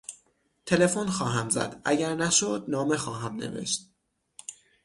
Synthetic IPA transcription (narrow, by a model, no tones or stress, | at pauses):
t̪ʰe̞le̞fonxɒːɦæmzæ̰d̪̥ʔæ̰ɟæɾnæʃod̪̚nɒːme̞xɒːɦæmnḛve̞̰ʃt̪